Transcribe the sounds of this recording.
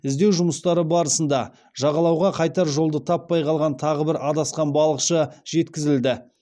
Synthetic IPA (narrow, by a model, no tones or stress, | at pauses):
ɪzd̪e̞wʒʊməst̪ɑɾəbɑɾəsənd̪ɑ | ʒ̥ɑʁɑlˠɑwʁɑqʰɑjt̪ɑɾʒo̞lˠd̪ət̪ʰɑpːɑjqʰɑlˠʁɑnt̪ʰɑʁəbɪɾɑd̪ɑsqɑnbɑlˠəqʃəʒ̥e̞t̪kʲɪzɪld̪ɪ